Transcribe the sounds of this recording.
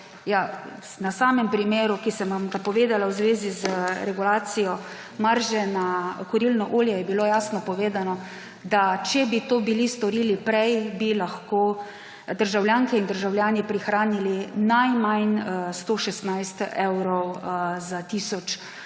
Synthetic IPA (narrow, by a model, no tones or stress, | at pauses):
ja | nasaːmɛmpɾimeːɾukisɛmʋamt̪apɔʋeːd̪alawzʋeːzizɾɛɡulaːt̪sijɔ | maɾʒɛnakɔɾilnɔʔoːljɛjɛbilojaːsnɔpɔʋeːd̪anɔ | d̪at͡ʃɛbit̪oːbilist̪ɔɾilipɾɛjbilaxkoː | d̪əɾʒawljaːŋkɛind̪əɾʒawljaːnipɾixɾaːnilinajmajnst̪oːʃɛst̪najst̪ɛwɾɔwzat̪iːsɔt͡ʃ